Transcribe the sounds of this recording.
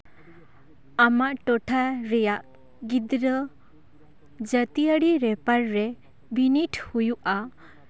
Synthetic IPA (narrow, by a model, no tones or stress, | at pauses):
amaʔʈɔʈʰaɾɛjaʔ | ɡid̪ɾə | d͡ʒət̪ijəɽiɾɛpaɾɾɛ | biniʈʰhujuʔa